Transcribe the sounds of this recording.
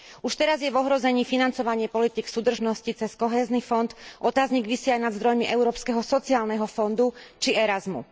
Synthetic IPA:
uʃt̪ɛɾazjɛvɔɦɾɔzɛɲiːfinant͡sɔʋaɲɪɛpɔlit̪iːksuːd̪r̩ʒnɔscit͡sɛskɔɦɛːznifɔnt̪ʔɔt̪aːzɲiɡʋisiajnad̪zd̪ɾɔjmiʔɛʊɾɔːpskɛɦɔsɔt͡siaːlnɛɦɔfɔnd̪ut͡ʃiɛɾazmṵ

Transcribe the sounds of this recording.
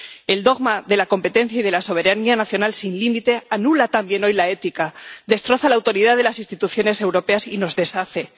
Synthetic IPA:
e̞ld̪o̞ɣmaðe̞lako̞mpe̞t̪ẽ̞n̟θjaið̞e̞laso̞β̞e̞ɾanianaθjo̞nalsinlimit̪e̞anulat̪ambje̞no̞jlae̞t̪ikaðe̞st̪ɾo̞θalaːwt̪o̞ɾiðaðe̞lasinst̪it̪uθjo̞ne̞se̞wɾo̞pe̞asino̞zðe̞saθe̞

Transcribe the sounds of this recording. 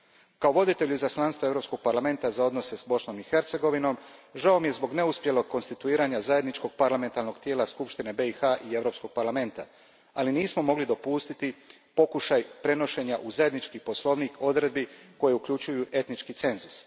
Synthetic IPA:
kao̞ʋo̞d̪it̪e̞ʎuzaslˠanst̪ʋoeɾo̞psko̞ɡ̚paɾlame̞nt̪azao̞d̪no̞se̞sbo̞sno̞mixe̞ɾt̪se̞ɡo̞ʋino̞mʒaomije̞zbo̞ɡne̞uspje̞lˠoɡ̚ko̞nst̪it̪uiːɾaːɲazaje̞d̪nit͡ʃko̞ɡ̥̚paɾlˠame̞nt̪aɾno̞ɡt̪je̞ːlaskupʃt̪ine̞be̞ixaʔie̞ʋɾo̞ːpsko̞ɡ̥̚paɾlˠame̞nt̪a | aliniːsmo̞mo̞ɡlid̪o̞puːst̪it̪i | po̞kuʃajpɾe̞no̞ʃe̞ɲaʔuzaje̞d̪nit͡ʃkipo̞slˠo̞ʋniːkʰo̞d̪ɾe̞d̪̚biko̞jeukʎut͡ʃujuʔe̞t̪nit͡ʃkit̪se̞nzus

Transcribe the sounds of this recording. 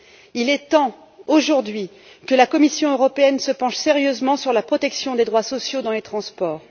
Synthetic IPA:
ilɛt̪ɑ̃ | oʒuʁd̪ɥi | kəlakɔmisjɔ̃øʁɔpeɛnsəpɑ̃ʃseʁjøzmɑ̃syʁlapχɔt̪ɛksjɔ̃d̪ed̪ʁwasɔsjod̪ɑ̃let̪χɑ̃spɔːʁ

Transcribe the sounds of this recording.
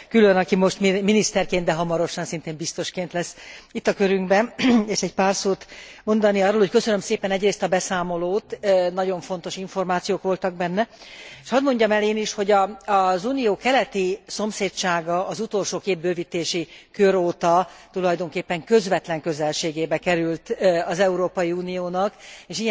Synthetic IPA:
kylønɒkimo̞ʃt̪mminist̪ɛrkeːnd̪d̪ɛɦɒmɒɾo̞ʃɒnsint̪eːmbist̪o̞ʃkeːnt̪lɛsːit̪ːɒkøɾyŋɡbɛneːʃɛɟpaːrsoːt̪mo̞nd̪ɒniɒrːoːlho̞ckøsønømseːpɛnɛɟreːst̪ɒbɛsaːmo̞loːt̪nɒɟo̞ɱfo̞nt̪o̞ʃiɱfo̞rmaːt̪sijoːkʋo̞lt̪ɒɡbɛnːɛeʃɒd̪mo̞ɲɟɒmɛleːniʃho̞ɟɒːzuːnijoːkɛlɛt̪iso̞mseːtt͡ʃaːɡɒːzut̪o̞lʃoːkeːb̪̚bøːvit̪eːʃikøɾoːt̪ɒt̪ulɒjd̪o̞ŋkeːpːɛŋkø̞zvɛt̪lɛŋkø̞zɛlʃeːɡeːbɛkɛɾylt̪ɒzɛuɾoːpɒjiuːnijoːnɒkeːʃiɛ

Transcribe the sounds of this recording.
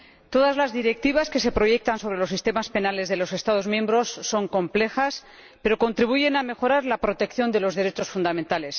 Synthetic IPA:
t̪o̞ðazlazðiɾe̞k̚t̪iβ̞aske̞se̞pɾo̞je̞k̚t̪anso̞βɾe̞lo̞sist̪e̞maspe̞nale̞zðe̞lo̞se̞st̪að̞o̞zmje̞mbɾo̞sːo̞ŋko̞mple̞xas | pe̞ɾo̞ko̞nt̪ɾiβuʝe̞name̞xo̞ɾaɾlapɾo̞t̪e̞kθjo̞nd̪e̞lo̞zðe̞ɾe̞t͡ʃo̞sfund̪amẽnt̪ale̞s

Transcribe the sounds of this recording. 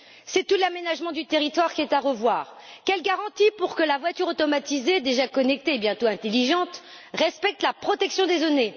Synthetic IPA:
sɛt̪ulamenaʒmɑ̃d̪yt̪eʁit̪waʁkʲiɛt̪aʁəvwaːʁkʲɛlɡaʁɑ̃t̪ipuʁkəlavwat̪yʁot̪ɔmat̪ized̪eʒakɔnɛk̚t̪eːbjɛ̃t̪oɛ̃t̪eliʒɑ̃t̪ | ʁɛspɛk̚t̪lapχɔt̪ɛksjɔ̃d̪ezɔne

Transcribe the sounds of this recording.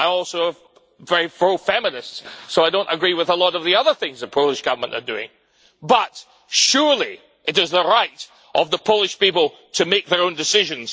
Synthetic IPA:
aɪɔlˠsoəv | vɛɹifɹoʊfɛmənɪstsːoaɪdõnʔəɡɹiwɪðəlˠɔɾʌvðiʌðə˞θɪ̃ŋzðət̚pʰoʊlˠɪʃɡ̥ʌvə˞mə̃nʔə̰˞dʉɪ̰̃ŋ | bʌt | ʃʉɹlˠi | ʔɨtɪzðəɹaɪʔ | ʔʌvðəpʰoʊlˠɪʃpipəl̩ˠ | tʰɨmek̚ðə˞õndɪsɪʒɨ̃nz̥

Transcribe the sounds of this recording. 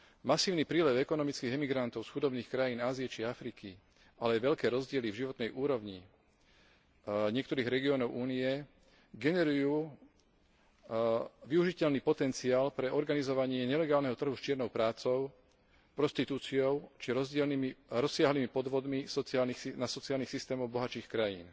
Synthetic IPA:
masiːʊnipɾiːlɛwɛkɔnɔmit͡skiːɣɛmiɡɾant̪ɔʊsxud̪ɔbniːxkɾajiːnaːziɛt͡ʃiafɾiki | alɛajʋɛʎkɛːɾɔzɟɪɛlivʒiʋɔt̪nɛjʔuːɾɔʋɲi | ɲɪɛkt̪ɔɾiːɣɾɛɡiɔnɔʊʔuːniɛ | ɡɛnɛɾujuː | ʋiuʒicɛʎniːpɔt̪ɛnt͡siaːlpɾɛɔɾɡanizɔʋaɲɪɛɲɛlɛɡaːlnɛɦɔt̪r̩ɦust͡ʃɪɛɾnɔʊpɾaːt͡sɔʊ | pɾɔst̪it̪uːt͡siɔʊt͡ʃiɾɔzɟɪɛlɾɔsːɪaɦliːmipɔd̪ʋɔd̪misɔt͡siaːlnixinasɔt͡siaːlnixsist̪ɛːmɔʊbɔɦat͡ʃiːxkɾajḭːn

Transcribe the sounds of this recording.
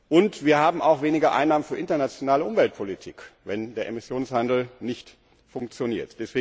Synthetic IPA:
ʔʊntv̥iːɐhaːbm̩aʊxv̥eːnɪɡɐʔa̰ɪnːaːmənfyːɐʔɪntɐnat͡sjonaːləʔʊmvɛlt̚pʰolitʰiːkvɛndeːɐʔemɪsjoːnshandl̩nɪçt | fʊŋkt͡sjoniːɐtd̥ɛsv̥eː

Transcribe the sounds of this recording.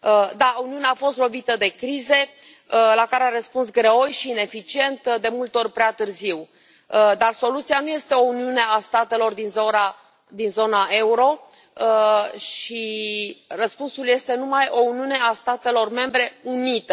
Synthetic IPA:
d̪auniuneaːfo̞st̪lo̞vit̪əd̪e̞kɾize̞ | lakaɾeaɾəspuns̬ɡɾeojʃiːne̞fit͡ʃie̞nt̪d̪e̞mult̪eo̞rʲpɾeat̪ɨrziw | d̪arso̞lut̪sijanuje̞st̪e̞o̞uniune̞ast̪at̪e̞lo̞rd̪inzoɾa | d̪inzo̞naʔe̞uɾo̞ | ʃi | rəspunsulje̞st̪e̞numajʔo̞uniune̞ast̪at̪e̞lo̞rme̞mbɾe̞unit̪ə

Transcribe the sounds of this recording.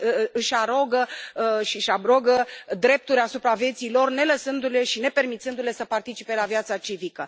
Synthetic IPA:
ɨʃaɾoɡəʃiʃabɾoɡəd̪ɾe̞p̚t̪uɾʲasupɾavjet̪silo̞rne̞ləsɨnd̪ule̞ʃine̞pe̞rmit̪sɨnd̪ule̞səpart̪it͡ʃipe̞lavijat̪sat͡ʃivikə

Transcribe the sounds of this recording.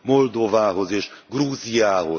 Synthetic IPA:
mold̪ovaːɦozeːʃɡruːzijaːɦo̰

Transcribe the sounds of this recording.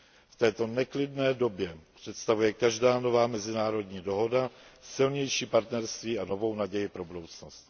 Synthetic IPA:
ft̪ɛːt̪o̞nɛklɪdnɛːdo̞bjɛpr̝̥ɛt̪st̪avujɛkaʒdaːno̞vaːmɛzɪnaːɾo̞dɲiːdo̞ɦo̞dasɪlɲɛjʃiːpaɾt̪nɛɾst̪viːano̞vo̞wnaɟɛjɪpɾo̞budo̞wt͡snost̪

